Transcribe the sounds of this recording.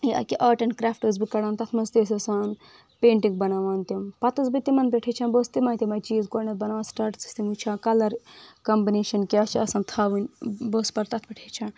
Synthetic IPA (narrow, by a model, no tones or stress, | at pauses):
iɐ̰kiʔɐːʈɐnkɾaːfʈɨzbikɐɽaːnt̪ɐt̪ʰmɐst̪es̬ɐsaːn | peːɳʈiŋɡ̚bɐnaːʋaːnt̪impɐt̪ɐsbit̪imɐnpʲeʈʰet͡ʃʰɐnbost̪imɐːnt̪ʲimɐt͡ʃiːzkoːɾnɐt̪̚bɐnaːʋɐnsʈaːɾʈsi̥st̪imut͡ʃʰãːkɐlɐɾkɐmbineːʃɐnkiɐt͡ʃʰiɐsɐ̃nt̪ʰaːʋɨnʲboːspɐɾt̪ɐt̪̚ʰpeʈʰet͡ʃʰɐ̃n